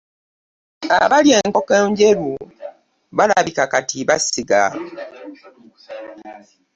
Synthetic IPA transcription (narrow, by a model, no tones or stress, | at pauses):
a̰βalje̞ːŋkokeːɲɟe̞ɾu | βalaβikakatʰiβasiɡa̰